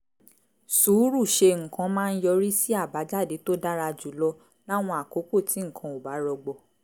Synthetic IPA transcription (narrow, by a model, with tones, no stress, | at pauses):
suː˨˦ɾu˦˨ʃe˧ŋ̩˨kã˧mãː˦˧n̩˦jɔ˧ɾi˦si˦a˦˨ba˨˦d͡ʒa˦˨de˨˦to˦da˦ɾa˧d͡ʒu˨˦lɔ˧ | la˦˨w̃ɔ̃˧a˨ko˨˦ko˦˨tʰi˨˦ŋ̩˦˨kʰã˧o˨ba˨˦ɾɔ˧ɡ͡bɔ˧˨